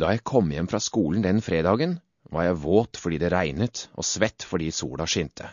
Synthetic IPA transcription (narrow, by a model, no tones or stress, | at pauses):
d̪ɑːjæɪkʰɔmːjɛmːfɾɑːskuːln̩d̪ɛnfɾeːd̪ɑːɡən | ʋɑ̰ɾjæɪʋoːt̪fɔɖiːd̪ɛːɾæɪnət̪ʔo̰ːsʋɛt̪ːfɔɖiːsṵːɽɑʂʏnt̪ʰə